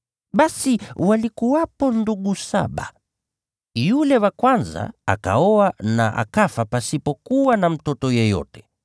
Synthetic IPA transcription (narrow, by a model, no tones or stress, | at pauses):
ɓasiwalikuwapɔnduɡusa̰ɓa̰ | julɛwakwanza̰a̰ka̰ɔana̰ʔa̰kafapasipɔkuwanam̩tɔtɔjɛjɔ̰tɛ̥